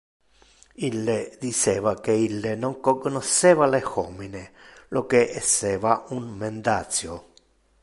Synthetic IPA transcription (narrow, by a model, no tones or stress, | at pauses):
ilːed̪it͡ʃeːvakeilːenõŋkokonoʃːeːvalexominelokeʔesːeːvaunmẽnd̪asjo